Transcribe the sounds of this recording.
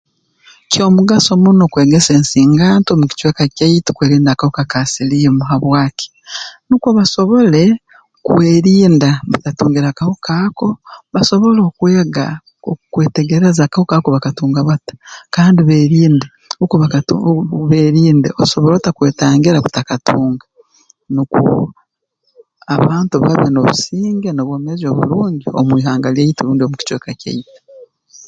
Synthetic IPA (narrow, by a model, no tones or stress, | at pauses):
cʰo̞ːmuɡaso̞muno̞kweːɡese̞ːnsiːŋɡaːntomuki̥t͡ʃweːkacaiti̥kweːɾiːndakahokakasilijemuɦaβwaːki̥ | nukwoβasoβo̞le̞ | kuweːɾiːndaβatatuːŋɡiɾakahukaːko̞βaso̞βo̞loːkweːɡa̰ | o̰kwe̞ːteɡeɾezakahokaːkoβakatuːŋɡaβatḁkaːndiβeːɾiːnde | ukuβak | βeːɾiːndḛoso̞βoɾo̞ːtakwe̞ːtaːŋɡiɾaku̥takatuːŋɡa | nukṵ | aβaːntuβa̰βeno̞βṵsiːŋɡenoβwo̞ːmezo̞βṵɾuːɲɟio̰mwiːɦaːŋɡalieiteɾuːndiomuci̥t͡ʃwekaca̰ite̥